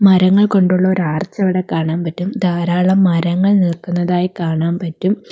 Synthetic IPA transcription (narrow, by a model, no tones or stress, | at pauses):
mɐɾɐŋːɐɭko̞ɳɖuɭːɐoɾaːrt͡ɕːɐʋiɽe̞kːaːɳaːnpɐtːumd̪ʱaːɾaːɭɐmːɐɾɐŋːɐɭnilkːunːɐðaːjikaːɳaːnpɐtːum